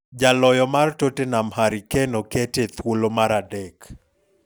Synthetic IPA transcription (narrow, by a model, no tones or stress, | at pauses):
d͡ʒalɔjɔmartotenamhaɾikɛnoketet̪wolomaɾadɛk